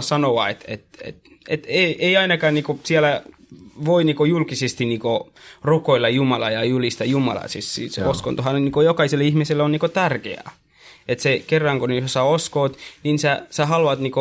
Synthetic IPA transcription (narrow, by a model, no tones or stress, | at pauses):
sɑnoʋɑet̪ḛt̪ḛt̪ | et̪eiʔeiɑinɑkɑːnniːkosiælæ | ʋoiniːkojulkisest̪iniːko | rukoilːɑjjumɑlɑjɑjulist̪ɑjumɑ̰lɑ̰sissḭːsosko̰nt̪uɦɑnniːkojokɑiselːihmiselːonniːkot̪ærkḛɑ̰ | et̪sekerːɑŋkoneosɑoskoːt̪ninsæsæhɑluɑt̪niːko